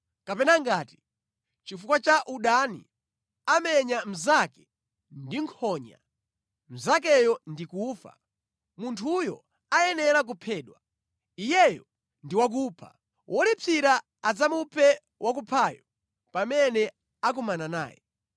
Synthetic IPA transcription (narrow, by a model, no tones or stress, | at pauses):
kapɛnaŋɡaːti̥ | t͡ʃifukwat͡ʃaʔuɗanḭ | amɛɲam̩zakɛ̥ | ndiŋkʰɔɲa̰ | m̩zak̬ɛjɔndikuːfa̰ | muntʰujɔ̰ | ajɛnɛɾak̬upʰɛːɗwa | ijɛjɔ | ndiwak̬uːpʰa̰ | wʔɔlipʰiɾa | ad͡zamupʰɛ | wʔak̬upʰaːjɔ | pamɛnɛ | ak̬umanana̰ːjɛ̰